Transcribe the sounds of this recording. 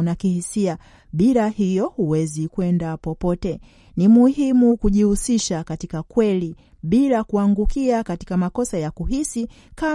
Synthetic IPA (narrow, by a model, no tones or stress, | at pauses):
nakihisia | ɓiɾahijɔhuwɛzikwɛndapɔpɔtɛ | nimuhimukuʄihusiʃakatikakwɛli | ɓilakuaŋɡukiakati̥kamakɔsajakuɦisi | ka